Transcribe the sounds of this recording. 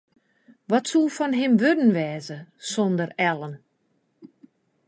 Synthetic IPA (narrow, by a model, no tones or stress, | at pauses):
ʋɔtsulˠfɔnɦɪmʋødən̩ʋɛːzəsondərɛlˠən